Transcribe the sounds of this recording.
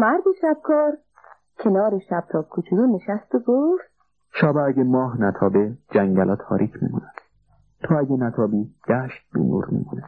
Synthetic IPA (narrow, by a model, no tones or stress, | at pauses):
mæɾd̪eʃæb̥̚kʰɒːɾ | kʰe̞nɒːɾeʃæb̥̚t̪ʰɒːb̥̚kʰot͡ʃʰuɾune̞ʃæst̪oɡoft̪ | ʃɒːbææɡemɒːɦnæt̪ʰɒːbed͡ʒæŋɟælɒːt̪ʰɒːɾʔiːkʰmḭmunæd̪̥ | t̪ʰɒæɟenæt̪ʰɒːbiːd̪̥æʃt̪̚bḭnṵːɾmḭmune̥